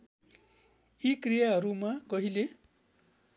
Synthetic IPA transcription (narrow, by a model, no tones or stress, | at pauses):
ikrijaɦʌɾumakʌɦile